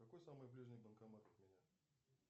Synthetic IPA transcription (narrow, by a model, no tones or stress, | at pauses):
kɐkojsamɨjblʲiʐnʲɨjbənkɐmat̪ət̪mʲɪnʲa